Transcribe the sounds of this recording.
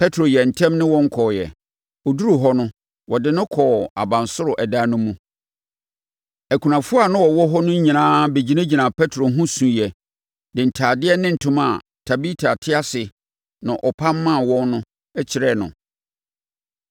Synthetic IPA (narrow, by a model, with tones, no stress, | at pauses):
pʰɛ˦tʰɾo˨jɛ˨n̩˨tʰɛ̃˦mnɪ̃˦wɔ̃˦ŋ̩˦kʰɔː˨jɛ̰˨ | ɔ˨du˦ɾu˨ɦɔ˦nʊ̃˦ | wɔ˨dɪ˦nʊ̃˦kʰɔ˨a̰˨bã˨nsʊ˦ɾʊ˨ʔɛ˨da˦nʊ̃˦mũ˦ | æ˨kʰu˨nã˨fʊ˦a˨nʊ̃˦wɔ˨wɔ˦ɦɔ˦nʊ̃˦ɲ˦ɲĩ˨nãː˦be˨d͡ʑi˨nã˦d͡ʑi˨nã˨pʰɛ˦tʰɾo˨˦ɦũ˦sũ˨jɛ˨ | dɪ˨n̩˨tʰaː˨dɪ˦ɛ˦nɪ̃˦n̩˨tʰʊ̃˦ma˨ | tʰa˨bi˦tʰa˨tʰɪ˦a˦sɪ˨ | nã˨ʔɔ˨pʰã˦mː˦ã˦˨wɔ̃˦nːʊ̃˦ | ɛ˦t͡ɕʰɪ˨ɾɛ˦˨nʊ̰̃˨